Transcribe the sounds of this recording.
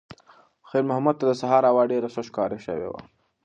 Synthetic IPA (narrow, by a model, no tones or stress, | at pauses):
xeɾmʊhamad̪̚t̪ad̪əsaɦɑɾawɑɖeɾasəʃkɑɾeʃə̰wḛwa̰